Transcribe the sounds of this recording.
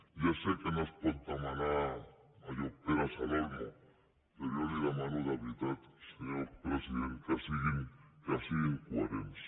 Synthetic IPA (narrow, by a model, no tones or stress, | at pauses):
jasekenospont̪amana | ajopeɾasaloɾmo | peɾjolelamanoðaβit̪at̪seɲoɾpɾesiðent̪asiɣiŋkasieŋkwaɾems